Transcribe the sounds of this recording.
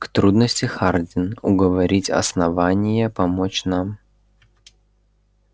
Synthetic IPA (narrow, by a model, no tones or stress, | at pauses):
kt̪ɾud̪nəsʲtʲɪxardʲɪnʊɡəvɐɾʲitʲɐ̰snɐvanʲɪjəpɐmot͡ɕnam